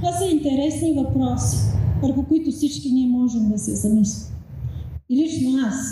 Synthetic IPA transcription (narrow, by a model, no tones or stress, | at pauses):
vasɐint̪ɛɾɛsnivɐpɾɔsi̥vəɾxʊkʊit̪ʊfsit͡ʃkiniɛmɔʒɛmd̪ɐsiɛzɐmislʲi | ilit͡ʃnoas